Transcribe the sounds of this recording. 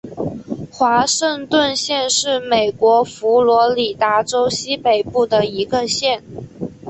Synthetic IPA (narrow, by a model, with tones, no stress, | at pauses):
xwa˧˥ʂə˥˧ŋt̪wə˥˧nɕjɛ˥˧nʂɻ̩˥˩me˨˩ɪkwɔ˧˥fu˧˥lwɔ˧˥li˨˩t̪a˧˥ʈ͡ʂo˥ʊɕi˥pe˨˩ɪpu˥˩d̪ə˩i˧˥ɡə˧ɕjɛ˥˩n